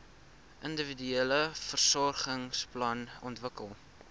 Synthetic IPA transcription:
ʔəndəvidyeləfərsɔrχəŋsplɐnɔntvəkəlˠ

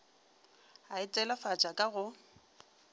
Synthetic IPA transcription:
aɪt͡sʼɛlafat͡ʃʼakʼaɣʊ

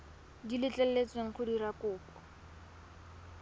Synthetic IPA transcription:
dilɪt͡ɬʼɛl̩let͡sweŋ̩χʰʊdirakʊːpɔ̥

